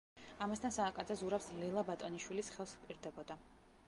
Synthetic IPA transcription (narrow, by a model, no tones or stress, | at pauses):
amast̪ʰansaːkʼad̪zazuɾapslɛlˠabat̪ʼɔniʃwilisχɛlˠspʼiɾd̪ɛbɔd̪a